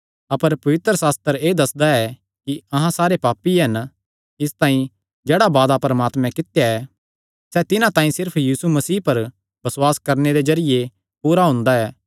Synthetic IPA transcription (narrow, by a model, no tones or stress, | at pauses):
ɐpəɾpɐʋɪt̪ɾəsaːst̪əɾeːd̪ɐsd̪aɛ | kiɐɦãsaːɾepaːpːiɦɐn | ɪst̪ãːĩ | d͡ʒeːɽabaːd̪apɾɐmaːt̪mɛ̃kɪt̪jaɛ | sɛt̪ɪnãt̪ãːĩsɪɾpʰjiːsumɐsiːpɐɾ | bɐswaːskɐɾneɾed͡ʒɐɾɪje | puːɾaɦʊ̃ːnd̪aɛː